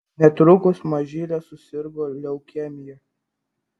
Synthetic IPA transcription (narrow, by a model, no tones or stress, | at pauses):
nʲɛt̪ɾʊkʊsmɐʒʲiːlʲɛsʊsʲɪɾɡoːlʲɛʊkʲɛmʲɪjɛ